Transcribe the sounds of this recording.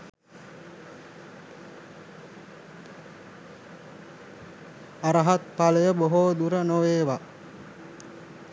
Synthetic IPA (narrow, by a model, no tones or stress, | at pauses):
aɾəɦat̪̚paləjəboɦod̪uɾənoʋeːʋa